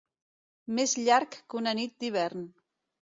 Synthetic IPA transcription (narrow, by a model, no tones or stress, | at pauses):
mezʎaɾkːunənit̪̚d̪iβ̞ɛɾn